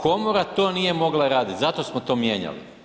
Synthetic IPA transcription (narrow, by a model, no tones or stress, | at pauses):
ko̞moɾat̪o̞ːnije̞mo̞ɡlaɾaːd̪it̪ʲzat̪o̞smot̪o̞ːmjeɲa̰lḭ